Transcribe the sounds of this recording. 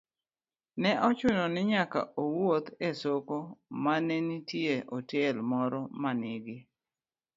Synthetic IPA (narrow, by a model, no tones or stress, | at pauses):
nɛʔɔt͡ʃʊnɔnɪɲaka̰ʔowot̪esokomanenitjeʔɔtelmɔɾɔmanɪɡɪ